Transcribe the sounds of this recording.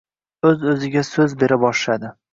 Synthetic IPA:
ɵzɵzɪɡʲasɵzbe̞ɾɪbɒʃlad̪ɪ

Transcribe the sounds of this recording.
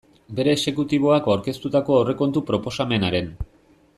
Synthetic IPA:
be̞ɾe̞ːse̞kut̪iβ̞o̞akawɾke̞st̪ut̪ako̞awre̞ko̞nt̪upɾo̞po̞same̞naɾe̞n

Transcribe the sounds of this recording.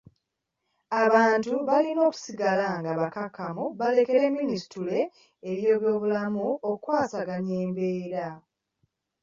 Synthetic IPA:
aβaːntuβalino̞ːku̥siɡalaŋɡaβakakʰːamuβale̞ke̞ɾe̞mːinisi̥tule̞ː | βjo̞ːβjo̞ːβulamuokukwaːsaɡaɲe̞ːmbe̞ːɾa

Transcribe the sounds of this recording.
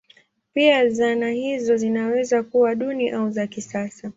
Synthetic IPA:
piazanahizɔzinawɛzakuwaɗuniʔauzakisasa

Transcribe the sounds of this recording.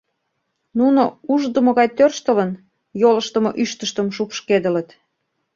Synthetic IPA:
nunouʒd̪əmoɣɑjt̪ørʃt̪ə̆lən | joləʃt̪əmoʔyʃt̪əʃt̪əmʃ̬upʃked̪ə̆lə̆t̪

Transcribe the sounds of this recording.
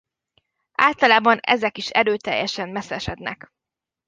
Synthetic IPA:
ʔaːlt̪ɒlaːbɒnɛ̰zɛkiʃɛ̰ɾøːt̪ɛ̰jːɛʃɛmmɛsɛʃɛd̪nɛ̰k

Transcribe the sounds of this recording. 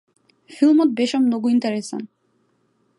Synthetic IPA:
filˠmɔt̪̚beʃɔmnoɡuint̪eɾesa̰n

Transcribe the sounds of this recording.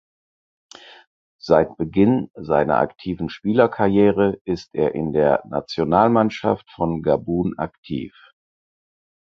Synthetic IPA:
z̥aɪt̚b̥əɡɪnzaɪnɐ̰ʔa̰ktʰiːvn̩ʃpiːlɐkʰaɐjeːʁəʔɪstʔeːɐʔɪndeːɐna̰t͡sjonaːlmanʃa̰ftfɔnɡabuːna̰ktʰḭːf

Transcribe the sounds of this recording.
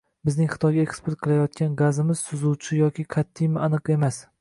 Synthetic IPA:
bɪznɪŋχɨ̥t̪ʰɒjɡʲaekspoɾt̪̚qʰɨlˠajɒt̪̚kʲanɡazɪmɪz̥sʊzuwt͡ʃʰɪjɒkʲʰɪkʰat̪ʰːɪjmɪanɨqe̞mas

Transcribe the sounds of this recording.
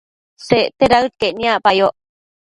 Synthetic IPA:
seʔt̪eɾaɯt̪̚kenĩaʔpajoʔ

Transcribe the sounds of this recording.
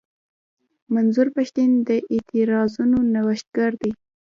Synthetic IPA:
manzuɾpaʃt̪ind̪əʔɪt̪ʰɪɾɑzunonawəʃt̪̚ɡ̥aɾd̪i

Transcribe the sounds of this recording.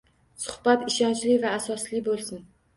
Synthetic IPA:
sʊ̥hb̥at̪ɪʃɒnt͡ʃlɪvaːsɒslɪbolˠsɪn

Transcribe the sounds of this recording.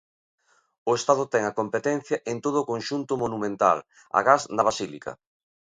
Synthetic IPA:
ʊest̪að̞ʊt̪ɛŋɐkompet̪ɛn̟θjɐʔent̪oð̞ʊːkonʃunt̪ʊmonumẽnt̪a̰l | a̰ɣaznɐβ̞asilikɐ̰

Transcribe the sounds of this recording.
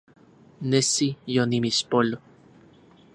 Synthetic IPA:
nesijonimispolo

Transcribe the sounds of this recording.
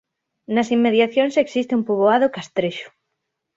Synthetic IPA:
nɐsimːeðjaθjonseksist̪eumpuβ̞oað̞okast̪ɾeʃʊ̥

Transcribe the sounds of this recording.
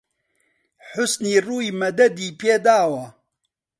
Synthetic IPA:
ħʊsniːruːjimɐd̪ɐd̪iːpʰeːd̪aːwɐ

